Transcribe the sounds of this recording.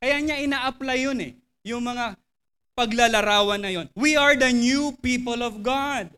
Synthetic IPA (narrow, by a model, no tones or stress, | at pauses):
kɐjaɲaʔɪnaːʔɐplajːonɛ̰ | jʊŋmɐŋa | pɐɡlalɐɾaːwɐnːɐjo̞nwiɐɹd̪ɐnjupipolɔvɡad̪̚